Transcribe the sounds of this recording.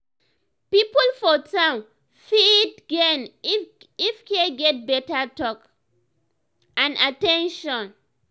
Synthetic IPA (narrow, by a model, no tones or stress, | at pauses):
pipəlfɔtʰãn | fitɡɛn | ifkeɡɛt̚bɛtatɔk | ãnatɛ̃nʃɔ̃n